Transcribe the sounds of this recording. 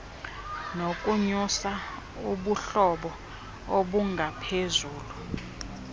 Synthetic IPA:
nokʼuɲusa | uɓuɬɔɓɔ | oɓuŋɡʱapʰezuːlu

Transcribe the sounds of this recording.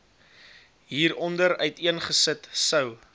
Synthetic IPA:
ɦiːɾɔndəɾœɥtiənχəsətsəw

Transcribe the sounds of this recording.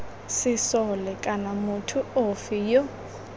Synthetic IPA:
sɪsɔlɛkʼanamʊtʰʊofijɔ

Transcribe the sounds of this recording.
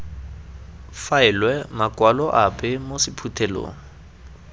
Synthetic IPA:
faɪlwɛmakʼwalɔʔapʼɛmosɪpʰutʰɛlo̰ːŋ̩

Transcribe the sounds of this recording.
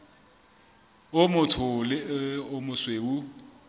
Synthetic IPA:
ʊmʊtʰʊlɪʊmʊsweʊ

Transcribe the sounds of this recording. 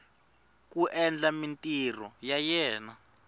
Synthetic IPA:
k̬ʼuʔɛnd͡ɮamintʼirɔjajɛːna

